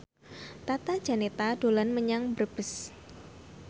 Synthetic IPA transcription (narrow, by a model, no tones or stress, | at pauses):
t̪at̪ad̥d͡ʒ̥a̤net̪adolanməɲaŋbərb̥əs